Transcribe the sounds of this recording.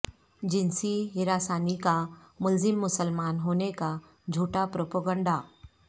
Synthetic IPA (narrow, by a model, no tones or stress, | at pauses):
d͡ʒɪnsiɦiɾasaːnikamʊlzɪmːʊsəlmaːnɦoneka | d͡ʒʱuːʈapɾopəɡəɳɖa